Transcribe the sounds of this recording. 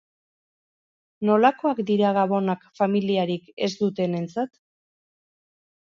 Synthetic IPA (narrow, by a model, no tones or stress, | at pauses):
no̞lako̞akd̪iɾaɣaβo̞nakfamiliaɾike̞zd̪ut̪e̞ne̞nt͡sat̪